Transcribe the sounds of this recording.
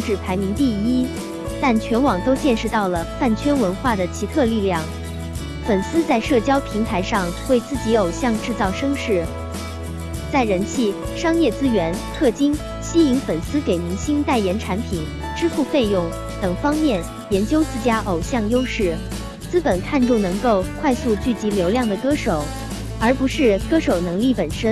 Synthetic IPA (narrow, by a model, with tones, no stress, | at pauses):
ŋʈ͡ʂɻ̩˥˩pʰa˧˥ɪmi˧˥ŋt̪i˥˩i˥ | t̪a˥˩nt͡ɕʰɥɛ˧˥nwɑ˨˩ŋt̪o˥ʊt͡ɕjɛ˥˧nʂɻ̩˥˧t̪ɑ˥˩ʊlə˩fa˥˩nt͡ɕʰɥɛ˥nwə˧˥nxwa˥˩d̪ə˩t͡ɕʰi˧˥t̪ʰɤ˥˧li˥˧ljɑ˥˩ŋ | fə˨˩nsɹ̩˥t͡sa˥˧ɪʂɤ˥˩t͡ɕjɑ˥ʊpʰi˧˥ŋt̪ʰa˧˥ɪʂɑ˥˧ŋwe˥˧ɪt͡sɹ̩˥˩t͡ɕi˧˥o˨˩ʊɕjɑ˥˧ŋʈ͡ʂɻ̩˥˧t͡sɑ˥˩ʊʂɤ˥ŋʂɻ̩˥˩ | t͡sa˥˩ɪɻə˧˥nt͡ɕʰi˥˩ | ʂɑ˥ŋjɛ˥˩t͡sɹ̩˥ɥɛ˧˥nt̪ʰɤ˥˩t͡ɕi˥ŋ | ɕi˥i˧˥ŋfə˨˩nsɹ̩˥ke˨˩ɪni˧˥ŋɕi˥nt̪a˥˩ɪjɛ˧˥nʈ͡ʂʰa˧˥npʰi˨˩˦n | ʈ͡ʂɻ̩˥fu˥˧fe˥˧ɪjʊ˥˩ŋ | t̪ɤ˨˩ŋfɑ˥ŋmjɛ˥˩n | jɛ˧˥nt͡ɕjo˥ʊt͡sɹ̩˥˩t͡ɕja˥ʔo˨˩ʊɕjɑ˥˩ŋjo˥ʊʂɻ̩˥˩ | t͡sɹ̩˥pə˨˩nkʰa˥˧nʈ͡ʂu˥˩nɤ˧˥ŋko˥˧ʊkʰwa˥˧ɪsu˥˧t͡ɕy˥˩t͡ɕi˧˥ljo˧˥ʊljɑ˥˩ŋd̪ə˩kɤ˥ʂo˨˩˦ʊ | ə˞˧˥pu˧˥ʂɻ̩˥˧kɤ˥ʂo˨˩ʊnɤ˧˥ŋli˥˩pə˨˩nʂə˥n